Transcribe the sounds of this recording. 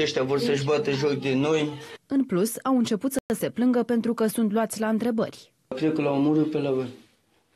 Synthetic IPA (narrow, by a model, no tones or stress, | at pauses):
eʃt̪eavo̞rsəʃbat̪eʒok̚d̪eno̞jɨnplusawɨnt͡ʃe̞put̪səəse̞plɨŋɡəpe̞nt̪ɾukəsunt̪luat̪sʲlaɨnt̪ɾe̞bə̰rʲ | kɾekolaomoɾut̪̚pelavən